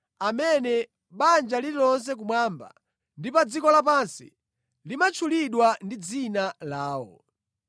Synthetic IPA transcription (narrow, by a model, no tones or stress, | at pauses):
amɛnɛ | ɓand͡ʒalilɔns̬ɛk̬umwaːmba̰ | ndipad͡zikɔlapansḭ | limat͡ʃʰuliɗwandid͡zinalaːwɔ̰